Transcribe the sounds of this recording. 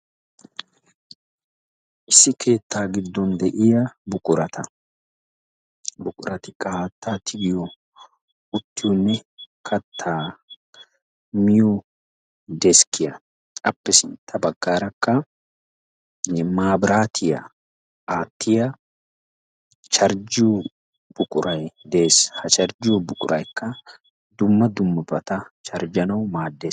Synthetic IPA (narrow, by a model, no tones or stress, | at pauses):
ʔɪsːɪkʰe̞ːt̪ʰːaːɡɪd̪ːɔnd̪ɛʔɪjɐbʊkʼʊɾɐt̪ʰɐ | bʊkʼʊɾɐt̪ɪkʼaːt̪ːat̪ʰɪɡɪjɔ | ʊt̪ːɪjɔnːɛkʰɐt̪ʰːaː | mɪjɔ | d̪ɛskʰːɪjɐ | ɐpːɛsɪnt̪ʰːɐbɐɡːaːɾɐkːɐ | maːbɾaːt̪ʰɪjɐ̰ | ʔaːt̪ːɪjɐ | t͡ʃɐɾd͡ʒuː | b̥ʊkʼʊɾɐjd̪eːshɐt͡ʃɐɾd͡ʒuːbʊkʼʊɾʔɐjkːɐ | d̪ʊmːɐd̪ʊmːɐbɐt̪ɐt͡ʃɐɾd͡ʒɐnɐwmaːd̪ːeːs